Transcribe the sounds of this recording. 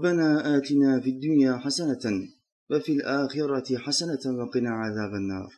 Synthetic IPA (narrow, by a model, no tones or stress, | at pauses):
bːanaːʔaːt̪ɪnaːfid̪ːʊnjaːħasana | wafilʔaːxɪɾˤɑt̪ħasanabɑqɪnaːʕaðaːbanːɑ̰ːɾˤ